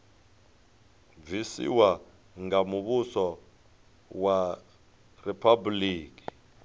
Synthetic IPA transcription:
visḭwa | ŋɡamuβusɔ | wa | ripʰabuliːki̥

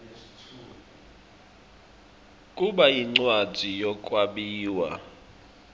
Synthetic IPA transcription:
kʼuɓajiŋ͡ǀwad̥ʱijɔkʼwaɓiːwa̰

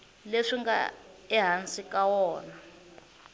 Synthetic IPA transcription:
leʂiŋɡa̰ɛɦant͡sʼikʼawɔːna

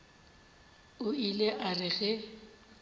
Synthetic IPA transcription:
ʊileʔarɪɣɛ

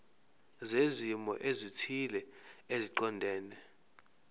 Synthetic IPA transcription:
zezimɔ̰ʔezitʰilɛeziǃɔndʱɛːnɛ

